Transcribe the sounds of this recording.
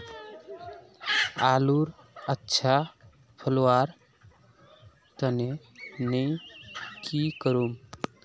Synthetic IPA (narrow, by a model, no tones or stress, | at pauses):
aluɾ | ətːʃʰa | pʰəlwaɾ | t̪əne | nəjkikəɾum